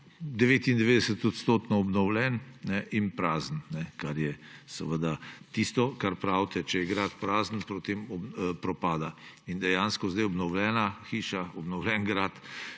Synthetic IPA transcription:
d̪ɛʋeːt̪ind̪ɛʋeːd̪ɛsət̪ɔt̪st̪oːt̪nɔːbnɔwlɛnnɛʔinpɾaːzn̩nɛkaɾjɛsəʋəd̪at̪ist̪ɔkaɾpɾawt̪ɛt͡ʃɛjɛɡɾaːt̪pɾaːzn̩pot̪emɔbpɾɔpaːd̪a | ind̪ɛjaːnskɔzd̪ɛjɔbnɔwlɛːnaxiːʃaɔbnɔwlʲɛnɡɾaːt̪

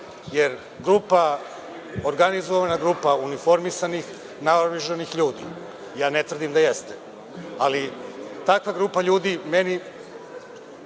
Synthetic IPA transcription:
jeɾ | ɡɾuːpa | oɾɡanizoʋanaɡɾuːpaunifo̞ɾmisanix | naoʋiʒonixʎuːd̪ḭ | jaːnet̪ʋɾr̩d̪imd̪ajest̪e | alit̪akʋaɡɾupaʎuːd̪imeni

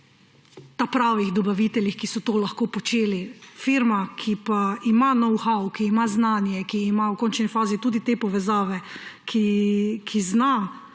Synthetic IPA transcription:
t̪apɾaʋiɣd̪ɔbaʋit̪ɛljixkisɔt̪oːlɐxkoːpɔt͡ʃeːlifiɾmakʰipaimanɔwxawkiːmaznaːnjɛkiːmawkɔnt͡ʃnifaːzit̪uːd̪it̪epɔʋɛzaːʋɛkʰikʰizna

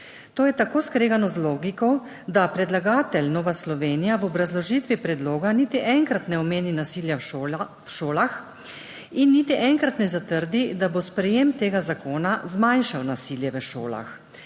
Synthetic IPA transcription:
t̪oːjɛt̪akoːskɾeːɡanɔzloːɡikɔ | d̪apɾɛd̪laɡaːt̪ɛlnɔːʋaslɔʋeːnijaʋɔbɾazlɔʒit̪ʋipɾɛd̪loːɡaniːt̪iʔɛŋkɾat̪nɛɔmeːninasiːlja | ʃoːlax | inːiːt̪iʔɛŋkɾat̪nɛzat̪əɾd̪id̪abospɾɛjemt̪eːɡazakoːnazmajnʃawnasiːljɛʋəʃo̰ːla̰x

